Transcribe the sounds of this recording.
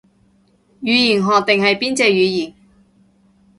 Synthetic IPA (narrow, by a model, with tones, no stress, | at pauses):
jyː˨˧jiː˨˩nɦɔː˨t̪e˨ŋhɐ˨jpiː˥nt͡sɛː˧jyː˨˧jiː˨˩n